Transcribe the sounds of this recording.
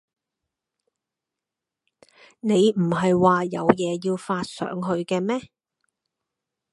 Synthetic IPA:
ne˨˧jm̩˨˩hɐ˨jwaː˨jɐ˨˧wjɛː˨˧jiː˧wfaː˧t̚sœ̰ː˨˥ŋɦɵ˧ɥkɛː˧mɛː˥

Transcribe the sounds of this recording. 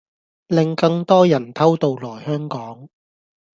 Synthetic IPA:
lɪ˨ŋkɐ˧ŋt̪ɔː˥jɐ˨˩nt̪ʰɐ˥wt̪o˨˧wlɔː˨˩jhœː˥ŋkɔː˨˥ŋ

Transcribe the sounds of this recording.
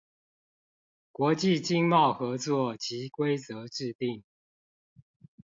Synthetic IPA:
kwɔ˨˦t͡ɕi˥˨t͡ɕi˦ŋmɑ˥˨ʊxɤ˨˦t͡swɔ˥˨t͡ɕi˨˦kwe˦ɪt͡sə˨˦ʈ͡ʂɻ̩˥˧t̪i˥˨ŋ

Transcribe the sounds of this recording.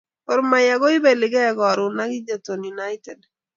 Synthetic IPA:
ɔ˨ɾma˨ja˨ɡɔ˦ɪ˦be˨lɪ˨ɡɛ˦ɡɔ˨ɾʊ˨na˦ɡɪ˦d͡ʒa˨to˨nju˨na˦jtɛ˨d

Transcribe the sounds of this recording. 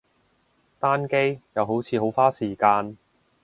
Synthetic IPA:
t̪aː˥nke˥jjɐ˨˧wɦo˨˥wt͡sʰiː˨˧ɦo˨˥wfaː˥siː˨˩kaː˧n

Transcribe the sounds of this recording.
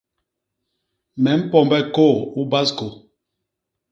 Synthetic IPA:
mɛ˨m̩˦pɔ˦˨mbɛ˦ko˦˨u˦ba˦sko˨

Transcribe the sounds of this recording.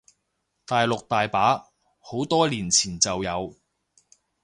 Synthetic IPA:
t̪aː˨jlʊ˨k̚t̪aː˨jpaː˨˥ | ho˨˥wt̪ɔː˥liː˨˩nt͡sʰiː˨˩nt͡sɐ˨wjɐ˨˧w

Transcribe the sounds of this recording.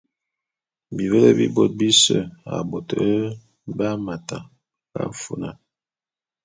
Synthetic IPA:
bi˨βə˦lə˦bi˦bo˦˨t̚bi˦sə˦˨a̰˨bo˨tə˨˦ | ba˦ma˨ta˨ | ka̰˦fu˦na˨n

